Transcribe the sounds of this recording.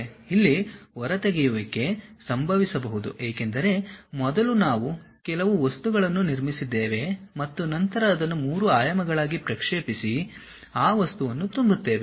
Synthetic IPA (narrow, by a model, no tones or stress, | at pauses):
ilːiɔɾɐt̪eɡɛjuʋɐkːe̞sɐmbʱɐʋisɐbɐɦud̪ṵʔeːke̞nd̪ɐɾe̞mɔd̪ɐlunaːʋu | kɛlɐʋuʋɐst̪uɡɐɭɐnːuniɾmisid̪ːe̞ːʋe̞mɐt̪ːunɐnt̪ɐɾɐːd̪ɐnːumuːɾuaːjɐmɐɡɐɭaːɡipɾɐkʂeːpisi | aːʋɐst̪uʋɐnːut̪umbut̪ːe̞ːʋe